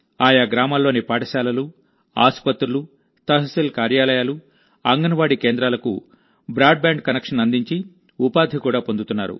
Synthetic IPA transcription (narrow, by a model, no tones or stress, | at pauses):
aːjaːɡɾaːmaːlːo̞ːnipaːʈɐʃaːlɐlu | a̰ːspɐt̪ɾulu | t̪ɐɦɐsilkaːɾjaːlɐjaːlu | ɐŋɡɐnɐʋaːɽikeːnd̪ɾaːlɐkṵ | bɾaːɖ̚baːɳɖkɐnekʂɐnɐnd̪iɲt͡ʃi | upaːd̪ʱikuːɽaːpo̞nd̪ut̪unːaːɾṵ